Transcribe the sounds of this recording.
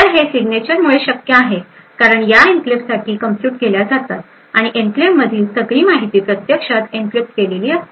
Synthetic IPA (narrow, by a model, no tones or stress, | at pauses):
əɾɦesiɡnet͡ɕəɾmuɭeɕəkjəaɦe | kaɾəɳjainklipsaʈʰiːkəmpjuːʈɡeljad͡zat̪at̪̚ | aɽ̃iʔemplemmːəd̪ʱiːlsəɡɭiːmaɦit̪iːpɾət̪jəkʂat̪iŋklip̚skeleliːəs